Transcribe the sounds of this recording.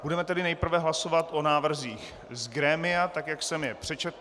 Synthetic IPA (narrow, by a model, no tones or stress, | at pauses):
budɛmɛt̪ɛdɪnɛjpr̩vɛɦlasovat̪ʔo̞naːvr̩ziːx | zɡɾɛːmɪjat̪akjaksɛmjɛpr̥ɛt͡ʃɛt̪